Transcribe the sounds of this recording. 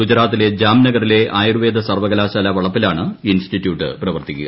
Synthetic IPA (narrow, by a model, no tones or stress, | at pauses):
ɡud͡ʑɾaːt̪ːile̞d͡ʑaːmnɐɣɐɾile̞ʔaːjruʋe̞ːd̪ʱɐsɐrʋɐɣɐlaːɕaːlɐʋɐɭɐpːilaːɳɨinstitːjuːʈːɨ̰prɐʋɐrt̪ikʲːṵ